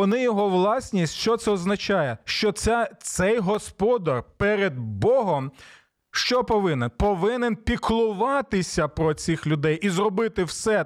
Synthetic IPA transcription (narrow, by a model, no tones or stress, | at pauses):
ɔnɪjɔɦɔʋlˠɑsʲnʲisʲtʲʃt͡ʃɔt̪sɛɔznɐt͡ʃɑjɛʃt͡ʃɔt̪sʲɛt̪sɛjɦɔspɔd̪ɐrpɛɾed̪̚bɔɦɔm | ʃt͡ʃɔpɔʋɪnɛnpɔʋɪnenpʲiklˠʊʋɑt̪ɪsʲɐpɾɔt͡sʲixlʲʊd̪ɛjizrɔbɪt̪ɪwsɛ